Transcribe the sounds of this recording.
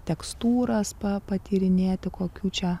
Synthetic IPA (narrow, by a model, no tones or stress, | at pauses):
t̪ʲɛkst̪uːɾɐspɐpɐt̪ʲiːɾʲɪnʲeːt̪ʲɪkoːkʲuːt͡ʃʲɛ